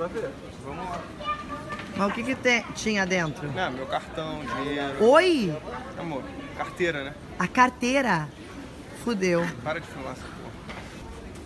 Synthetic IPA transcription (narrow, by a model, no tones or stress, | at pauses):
pɾaveɾ | vɐ̃mʊla | mɐʊkɪkɪt̪ẽt͡ʃĩɲɐd̪ẽnt̪ɾʊnɐ̃mewkaɾt̪ɐ̃w̃d͡ʒĩɲeɾʊoja̰moɾkaɾt̪eɾɐnɛ | ɐkaɾt̪eɾɐ | fud̪ewpaɾɐd͡ʒɪfimasɐpo̰hɐ